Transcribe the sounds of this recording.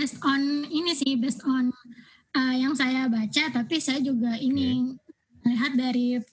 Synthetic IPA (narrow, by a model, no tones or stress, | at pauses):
bɛst̪ɔninisɪhbɛst̪ɔn | əjaŋsajabat͡ʃat̪apisajad͡ʒuɡaini | əliɦat̪̚daɾi